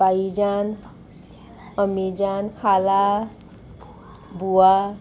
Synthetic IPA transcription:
aid͡ʒan | əmid͡ʒanhala | bua

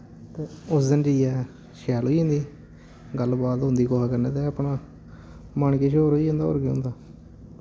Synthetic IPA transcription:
t̪eːʊsd̪ənd͡ʒiːɛː | ʃɛːloːiɦõːnd̪iː | ɡəlbaːt̪ɦʊ̃nd̪iːkoːɦaːkəɾnẽːt̪eːəpɳaː | məɳkeʃoːɾɦoːiːõːnd̪aːo̰ːɾkeːʊ̰̃nd̪aː

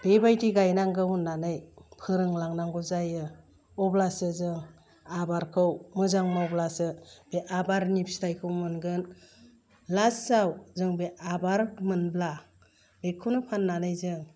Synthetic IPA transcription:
b̥ebajdiɡajnaŋɡɯunːanɯjpʰɯɾɯŋlaŋnaŋɡuzajɯ | ɔblasɯzɯŋ | abaɾkʰɯwmɯzaŋmawblasɯb̥eʔabaɾnipstʰajkʰɯwmɯnɡɯn | lasawzɯŋbeʔabaɾmɯnbla | bekʰːɯwnɯpʰanːanɯjzɯŋ

